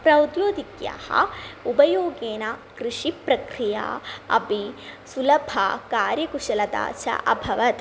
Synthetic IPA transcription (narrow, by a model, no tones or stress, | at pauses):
pɾɐwd̪joːd̪ikja̰ːhɐ̰ubɐjoːɡeːnakɾɪʂipɾɐkɾija̰ːɐ̰pisulɐbʱɐkaːɾjɐkuʂɐlɐt̪a̰ːt͡ʃɐ̰ʔɐbʱɐʋɐt̪